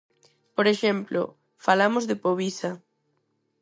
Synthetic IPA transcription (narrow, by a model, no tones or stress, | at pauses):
poɾeʃemplo̰ | falamʊzðɪpoβisɐ